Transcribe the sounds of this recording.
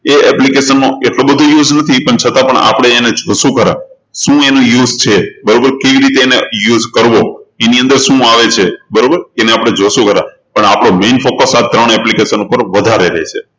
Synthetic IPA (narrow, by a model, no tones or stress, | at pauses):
eɛplikeʃənːoʔeʈlobəd̪ʱojud͡ʒnət̪ʰipəɳt͡ʃʰət̪ãpəɳa̰pɽ̃eːned͡ʒʱosũkəɾã̰ | ʃũenũjuzt͡ʃʰebəɾobəɾkeʋiɾit̪eːnejuzkəɾʋoeniə̃nd̪əɾʃũaʋet͡ʃʰebəɾobəɾeneapɽ̃ed͡ʒosũkəɾã̰ | pəɳapɽ̃omenfokəsat̪ːɾəɳɛplikeʃənupəɾʋəd̪ʱaɾeɾəɦet͡ʃʰe